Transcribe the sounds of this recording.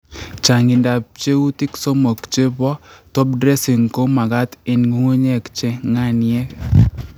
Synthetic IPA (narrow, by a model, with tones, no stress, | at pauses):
t͡ʃa˨ŋɪ˨nda˨p̚t͡ʃe˦u˦ti˦kso˦mɔ˨kt͡ʃe˦bɔ˦tɔ˦p̚dɾɛ˦si˨ŋko˦ma˨ka˦tɪ˨nŋu˦ŋu˦ɲɛ˦˨kt͡ʃɛ˦ŋa˦˨n˦jɛ˦